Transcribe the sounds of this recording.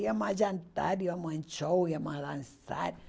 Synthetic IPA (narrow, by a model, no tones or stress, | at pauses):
jamad͡ʒant̪a̰ɾijamant͡ʃowjamalansa̰t